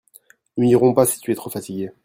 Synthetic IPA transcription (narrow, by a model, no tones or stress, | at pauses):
nyniʁɔ̃pasi̥t̪yɛt̪χofat̪iɡʲe